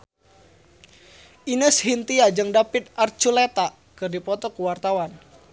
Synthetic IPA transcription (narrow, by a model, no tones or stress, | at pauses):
ʔinəshint̪iad͡ʒɨŋdapɪt̪̚art͡ʃulet̪a | kɨrdipɔt̪ɔkuwart̪awan